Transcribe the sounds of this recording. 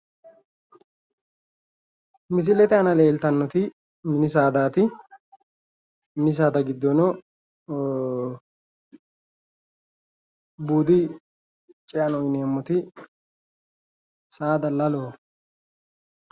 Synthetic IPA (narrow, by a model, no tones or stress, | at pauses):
mɪs̬ɪlɛt̪ɛɐnɐleːlt̪ɐnːɔt̪ɪ | mɪnɪsaːd̪aːt̪ɪ | mɪnɪs̬aːd̪ɐɡɪd̪ːɔnɔ | buːd̪ɪ | t͡ʃʼɪɐnɔɪneːmːɔt̪ɪ | saːd̪ɐlɐloː